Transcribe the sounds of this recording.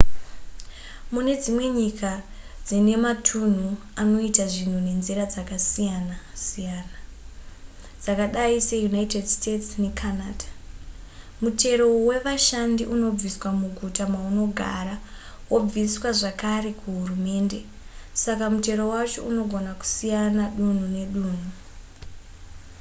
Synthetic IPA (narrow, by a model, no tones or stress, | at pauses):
mune̞d͡zimwe̞ɲikʰa | d͡zine̞matʰun̤u | ano̞itaʐin̤une̞nziɾad͡zakasijanasijaːna | d͡zakaɗaise̞junaitedstetsne̞kʰanaːdʱḁ | mute̞ɾo̞we̞ʋaʃandiʔuno̞b͡viswamuɡʱutamauno̞ɡʱa̰ɾa | wob͡viswaʐakaɾe̞kuɦurume̞ːnde̞ | sakamute̞ɾo̞wat͡ʃo̞uno̞ɡʱo̞naku̥sijanaɗun̤une̞ɗuːn̤u